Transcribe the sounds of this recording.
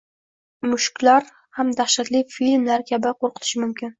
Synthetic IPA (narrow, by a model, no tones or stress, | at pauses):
mʊʃkʲlaɾ | hamd̪aχʃat̪lɪfilmlaɾkʲʰabɪqʰoɾqʰɨ̥t̪ʰɪ̥ʃɪmʊmkʲɪn